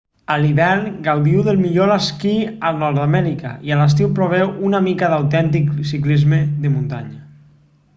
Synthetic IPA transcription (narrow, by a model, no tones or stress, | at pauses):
aliβɛɾŋɡawðiwðelˠmiʎolaskialˠnɔɾðamɛɾika̰ialas̬t̪iwpɾoβ̞ɛwunamikaðawt̪ɛnt̪iksiklizmeðemunt̪a̰ɲa